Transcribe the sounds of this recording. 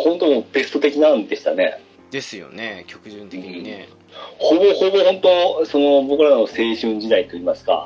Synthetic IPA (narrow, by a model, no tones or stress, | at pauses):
hõ̞nt̪o̞mop̪e̞sɨ̥t̪o̞t̪e̞kʲinãnd̪e̞ɕi̥t̪ane̞̰ | d̪̥esɨjo̰nekʲokɯɯ̟̃ | hoːboːhoːbo̞ːhõ̞nt̪o̞so̞no̞bokɯ̟ɾano̞se̞ːɕɨ̃ɲ̟d͡ʑid̪ait̪ːo̞iːmasɨ̥ka̰